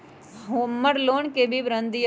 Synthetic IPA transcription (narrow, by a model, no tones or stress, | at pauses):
ɦməɽloːɳkebʱibɾənd̪i